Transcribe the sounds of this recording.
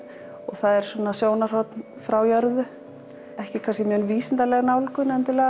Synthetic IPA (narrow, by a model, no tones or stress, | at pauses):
ɔɣθaðɛɾ̥swɔːnːasjoːwnaɾ̥ɔt̪n | fɾawjœɾðʏ | ɛhcɪkʰanscɪmʏœnviːsɪnt̪alɛɣnawlkʏnɛnt̪ɪlɛːɣa